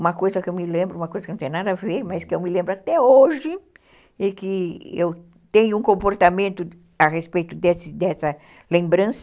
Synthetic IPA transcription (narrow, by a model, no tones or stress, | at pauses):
ũmɐkojzɐkɪewmɪlẽmbɾʊũmɐkojzɐkɪnõt̪ẽj̃nad̪ɐavemɐskɪewmɪlẽmbɾʊat̪ɛoʒɪ | ɪkɪew | t̪ẽɲʊũkõmpoɾt̪amẽnt̪ʊ | aʁespejt̪ʊd̪ɛsɪd̪ɛsɐ | lẽmbɾɐ̃sɐ